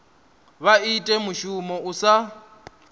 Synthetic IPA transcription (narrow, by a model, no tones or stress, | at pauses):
βaitʼɛmuʃumɔusa